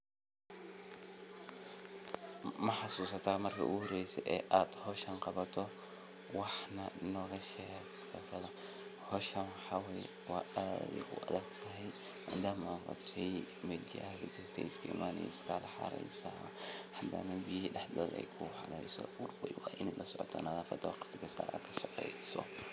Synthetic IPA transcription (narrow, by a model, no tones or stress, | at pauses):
mɐħɑsuːsɐt̪ʰaːmɐrkʰɐ̰ʔʊhɔɾɛjsɛʔɛːʔaːd̪̥hɔʃɐŋqɑβɐt̪ʰɔ | wɑħnɐnɔːɣɐʃɛ | fɐt̪ɐðɐ | hɔʃɐnħawɛj | waːaːd̪ɛ̰kʊ̰ʔɐðɛɡt̪ʰɐɦɛj | maːd̪aːmɐaqɑ̰bt̪ʰɛjmɐɡɪt͡ʃɪkt̪ʰɛjɪskʰɐɪmʔaːnɛ̰j̰st̪ʰalɐħɑ̰ɾɛ̰jsa | ħad̪ɐ̰nɐbijɪhiːɖɛħd̪ɔːd̪ɛ̰jkʰʊhɐlɛjsɔ̰ʊrbɛjwɑʔɪnɛlʔɐsɔʕɔt̪ʰɔnɐðaːfɐ̰d̪ʰɔqɪ̥st̪ɪkʰɐsa̰ːɾʔa̰ːd̪kʰɐʃɑqɛjsɔ̰